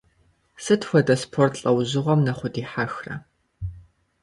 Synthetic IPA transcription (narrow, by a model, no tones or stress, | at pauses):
sɨtʰxʷɔdɐspʰortʰɬʼɐwʑɪʁʷɔmnɐχʷʊdiːħaxrɐ̰